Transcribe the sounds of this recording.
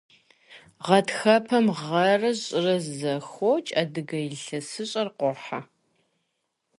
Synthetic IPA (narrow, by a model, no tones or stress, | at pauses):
ʁɐtxɐpʰɐmʁɐrɐʑʼɪrɐzzɐxot͡ʃʼɐdɨɡɐjɬɐsɨɕʼɐrqʷɔħa